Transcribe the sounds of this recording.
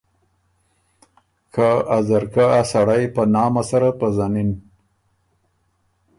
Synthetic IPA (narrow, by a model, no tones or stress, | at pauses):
kʰaazaɾkaasaɽajpənɑːmasaɾapəzanin